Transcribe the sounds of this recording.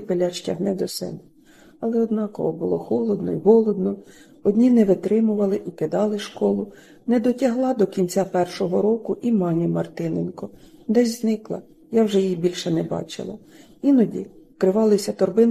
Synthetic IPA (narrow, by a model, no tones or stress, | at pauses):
pelʲat͡ʃtʲɐɦnɛd̪ɔsɛ̰bɛ | ɐlˠɛɔd̪nɑkɔ̰ɦɔbʊlˠɔxɔlˠɔd̪nɔ̰iɦɔlˠɔd̪nɔ | ɔdʲnʲinɛʋɪt̪ɾɪmʊʋɐlˠɪʔikɪd̪ɑlˠɪʃkɔlˠʊ | nɛd̪ɔtʲɐɦlˠɑd̪ɔkʲinʲt͡sʲapɛrʃɔɦɔɾɔkʊʔimɑnʲimɐrt̪ɪnenkɔd̪ɛsʲznɪklˠɐ̰ | jawʒɛjijibʲilʲʃɛnɛbɑ̰t͡ʃɪ̰lˠɐ̰ | inɔdʲḭ | kɾɪʋɑlˠɪsʲɐt̪ɔrbɪn